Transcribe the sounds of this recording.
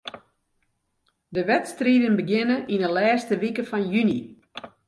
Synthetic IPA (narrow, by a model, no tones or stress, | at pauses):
dəʋɛtstriːdənbəɡɪnəʔinəlɛːstəʋikəfɔnjyni